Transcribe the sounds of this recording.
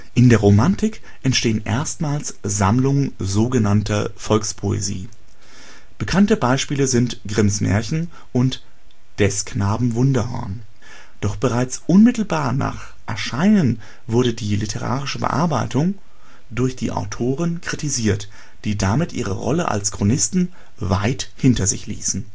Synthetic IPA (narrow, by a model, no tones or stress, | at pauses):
ʔɪndeːɐʁomantɪk | ʔɛntʃteːənʔḛːɐstmaːlsz̥amlʊŋənzoːɡənantɐfɔlkspʰoḛzḭː | b̥əkʰantəbaɪʃpiːləzɪntɡ̥ʁɪmsmɛ̰ːɐçn̩ | ʔʊnt | d̥ɛsknaːbm̩vʊndɐhɔ̰ɐn | d̥ɔχb̥əʁaɪt͡sʔʊnmɪtl̩baːɐna̰ːχ | ʔɛɐʃaɪnən | vʊɐdədiːlɪtʰəʁa̰ːʁɪʃəbə̰ʔa̰ɐbaɪtʊŋ | d̥ʊɐçd̥ḭːʔa̰ʊtʰoːʁənkʁ̥itiziːɐt | d̥iːdamɪtʔiːʁ̞əʁɔ̰ləʔa̰lskʁ̥onɪstn̩ | vaɪthɪntɐzɪ̰çlḭːsn̩